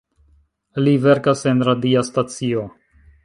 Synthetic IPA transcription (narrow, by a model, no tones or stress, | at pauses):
live̞ɾkase̞nɾadiastat͡sio̞